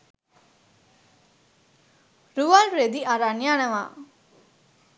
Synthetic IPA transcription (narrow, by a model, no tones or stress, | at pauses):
ɾuʋalɾed̪iʔaɾanjaːñɐʋa̰